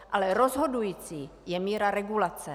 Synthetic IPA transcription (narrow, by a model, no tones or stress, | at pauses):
ʔalɛɾozɦo̞dujiːt͡siːjɛmiːɾaɾɛɡulat͡sɛ